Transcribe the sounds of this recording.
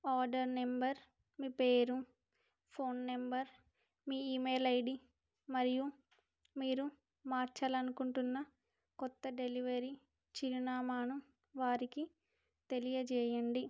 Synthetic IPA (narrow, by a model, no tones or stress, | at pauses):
aːɾɖɐɾnembɐɾ | miːpeːɾu | pʰo̞ːnːembɐɾ | miːiːmeːlɐjɖi | mɐɾiju | miːɾu | maːɾt͡ʃɐlɐnukuɳʈunːɐ | kɔt̪ːɐɖe̞liʋɐɾi | t͡ʃiɾinaːmaːnu | ʋaːɾiki | t̪e̞lijɐd͡ʒɛːjɐɳɖi